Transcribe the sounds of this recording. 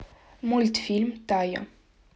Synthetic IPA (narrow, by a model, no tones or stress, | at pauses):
mult̪filmt̪aja̰